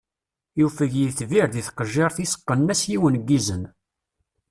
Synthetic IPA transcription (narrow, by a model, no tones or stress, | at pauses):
jufəʝjiθviɾðiθqəʒːeɾˤθisə̥qːənːæsjiwənɡːizən